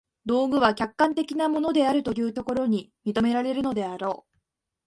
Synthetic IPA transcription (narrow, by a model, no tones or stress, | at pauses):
d̪o̞ːɡɯ̟β̞akʲakːãnt̪e̞kʲinamo̞no̞d̪e̞aɾɯ̟t̪o̞jɯ̟ːt̪o̞ko̞ɾo̞ɲ̟imʲit̪o̞me̞ɾaɾe̞ɾɯ̟no̞d̪e̞aɾo̞ː